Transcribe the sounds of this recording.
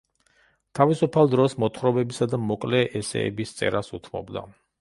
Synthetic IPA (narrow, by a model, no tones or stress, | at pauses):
t̪ʰavisupʰalˠd̪ɾɔsmɔt̪ʰχɾɔbɛbisad̪amɔkʼlɛʔɛsɛ̰ːbist̪sʼɛ̰ɾasut̪ʰmɔ̰bd̪a̰